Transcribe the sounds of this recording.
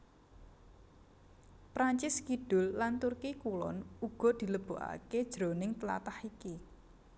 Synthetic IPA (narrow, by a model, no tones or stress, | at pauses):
pɾaɲt͡ʃɪskiɖ̥ʊ̤lːant̪urkikulɔ̰nuɡ̥ɔ̤d̪̥i̤ləb̥o̤ʔa̰ke̥ʒ̥ɾo̤nɪŋt̪əla̰t̪ahiki